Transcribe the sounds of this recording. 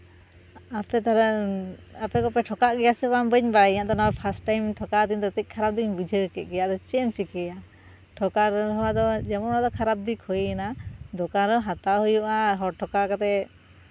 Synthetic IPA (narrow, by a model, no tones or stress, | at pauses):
apɛt̪aɾ | apɛkɔpɛʈʰɔkaʔɡɛjasɛbambəɲbaiɲaʔd̪ɔnawaɾpʰasʈajmʈʰɔkat̪ind̪ɔt̪ic̚ˀkʰaɾap̚d̪iɲbid͡ʒʱəkɛʔ̪̚ˀɡɛjaʔd̪ɔt͡ʃɛmt͡ʃikɛja | ʈʰɔkaɾɦɔwad̪ɔd͡ʒɛmɔad̪ɔkʰaɾap̚d̪ikʰɔjnad̪ɔkaɾɔɦat̪aɦujuʔaɦɔɾʈʰɔkakat̪ɛ